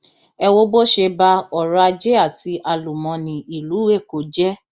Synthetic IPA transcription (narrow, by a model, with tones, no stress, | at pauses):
ɛ˧wo˦bo˦ʃe˧ba˧ɔ˨ɾa˧d͡ʒe˦a˦˨ti˨˧˦ʔa˧lu˨mɔ̃˨˧nĩ˨i˨lu˨˦we˦˨ko˨d͡ʒɛ˦